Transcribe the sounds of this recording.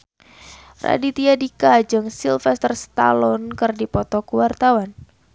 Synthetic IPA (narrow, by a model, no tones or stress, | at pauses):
ra̰dit̪iadikad͡ʒɨŋsilfɛst̪ərst̪a̰lɔnkɨrdipɔt̪ɔkuwart̪awan